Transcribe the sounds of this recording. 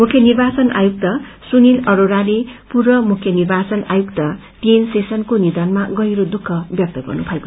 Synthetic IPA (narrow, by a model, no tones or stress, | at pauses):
mukʰːjʌnirbat͡sʌna̰juk̚t̪ʌ | sunilʌɾoɾalepurʌmukʰjʌnirbat͡sʌna̰jukt̪ʌ | t̪ensesʌnkonid̪ʌnmaɡʌjɾod̪ukʰːʌbjʌk̚t̪ʌɡʌ̰rnupʰʌeko